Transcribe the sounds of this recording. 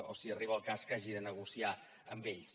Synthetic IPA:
osiəriβ̞əlˠkaskaʒiðənəɣusia | əmbeʎs

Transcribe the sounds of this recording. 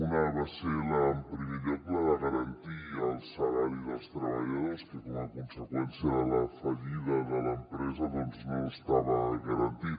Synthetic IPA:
unəβaseləmpɾəmiðepləðəɣəɾənt̪iəlˠsalaɾiðəlˠst̪ɾəβəʎəðoskəkɔməkunsəkwɛnsjələfəʎiðəðələmpɾɛzəðɔnznoəst̪aβəɣəɾənt̪i

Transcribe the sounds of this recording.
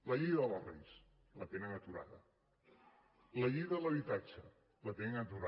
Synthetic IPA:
ləʎiðlərḛjs | lət̪enənət̪uɾa̰ðə̰ | ləʎiðələβit̪at͡ʃə | lət̪enənət̪uɾa

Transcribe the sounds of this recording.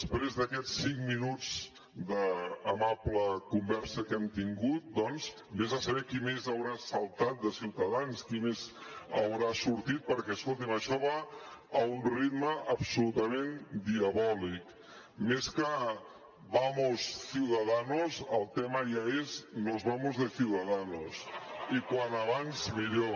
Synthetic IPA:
spɾezðəkɛt͡sːiŋminud͡z | d̪əːmapləkumbɛɾsəkɛmt̪iŋɡut̪̚d̪ɔnz | bezəsəβɛkimezəwɾasəlˠt̪at̪̚d̪əsiwt̪əðanskimezəwɾasuɾt̪it̪̚pəɾkɛəskolˠt̪iməʃɔβaː | unrit̪məʔːpsulut̪amend̪iəβɔlik | meskə | βamossiwðaðanozəlˠt̪ɛməʒaeznozβamozðəsiwðaðanosikwanaβanzmiðjo

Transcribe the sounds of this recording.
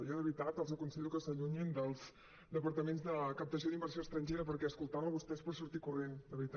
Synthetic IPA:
jɔðəβɾit̪at̪əlˠzəkunsəʎukəsəʎuɲind̪əlˠz | d̪əpəɾt̪əmenzðəkəp̚t̪əsjoðimbərsjoəst̪ɾənʲʒeɾəpəɾkɛəskulˠt̪aβəβust̪ɛspəɾsuɾt̪ikurend̪əβɾit̪a

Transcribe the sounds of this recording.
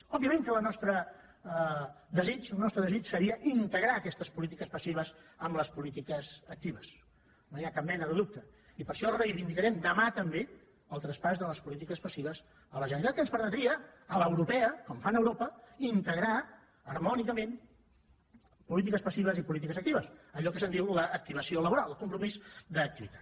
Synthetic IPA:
ɔbiəmẽŋkələnɔst̪ɾə | ðəzit͡ʃəlˠnɔst̪ɾəðəzit͡ʃsəɾiəʔint̪əɣɾaːkɛst̪əspulit̪̬ikəspəsiβ̞əzəmləspulit̪ikəzək̚t̪iβəs | noniakap̚mɛnəðəðuk̚t̪ə | ipəɾʃɔrəjβind̪ikəɾɛmd̪əmat̪əmbe | əlˠt̪ɾəspazðələspulit̪ikəspəsiβəs | ələʒənəit̪at̪kənspəɾmət̪ɾiəələwɾupɛəkɔmfanəwɾopəint̪əɣɾa | əɾmɔnikəmẽn | pulit̪̬ikəspəsiβəzipulit̪ikəzək̚t̪iβəsəʎɔkəsənd̪iwləːk̚t̪iβ̞əsioləβuɾalˠəlˠkumpɾumizd̪əːk̚t̪iβit̪ḁt̪

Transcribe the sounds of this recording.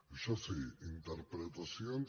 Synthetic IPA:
ʃasiint̪eɾpɾet̪asjon

